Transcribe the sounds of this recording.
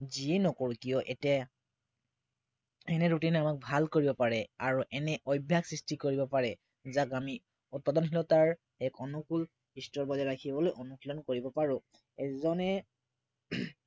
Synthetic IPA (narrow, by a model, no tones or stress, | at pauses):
ziɛnɔkɔɹukiɔʔɛtɛ | ɛnɛɹutinamak̚bʱalkoɹibɔpaɹɛaɹuʔɛnɛʔɔjbʱjaksɹistikoɹibɔpaɹɛ | zakami | ut̚padɔnɦilɔtaɹ | ɛkɔnukul | istɹɔlbɔzaɹakʰibɔlojʔɔnukʰlɔnkoɹibɔpaɹʊ̃ | ɛzɔnɛ